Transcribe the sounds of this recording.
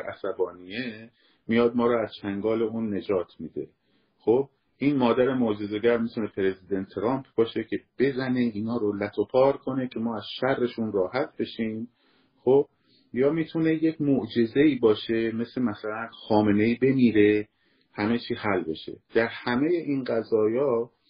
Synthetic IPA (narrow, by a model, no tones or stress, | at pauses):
ʔæ̰sæbɒːnije | mijɒːd̪̚mɒːɾɔːæz̥t͡ʃʰæŋɡɒːle̞uːnːe̞d͡ʒɒːt̪ʰmiːd̪e̞̰ | xob̚ | ʔiːnmɒːd̪æɾe̞moʔd͡ʒe̞ze̞ɟæɾmit̪ʰune̞pʰeɾe̞zid̪ent̪ʰːɾɒːmpʰb̥ɒːʃe̞cʰe̞b̥e̞zæne̞iːnɒːɾolæt̪ʰo̞pʰɒːɾkʰo̞ne̞cʰe̞mɒːæz̥ʃærːe̞ʃunrɒːhæt̪ʰbe̞ʃiːm | xob̥̚ | jɒːmiːt̪ʰune̞jecʰmoʔd͡ʒe̞ze̞iːbɒːʃe̞me̞slemæsælænxɒːme̞ne̞iːbe̞miːɾe̞ | hæme̞t͡ʃʰiːhælbe̞̰ʃe̞̰d̪̥æɾhæme̞je̞ʔiːnɢæzɒːjɒː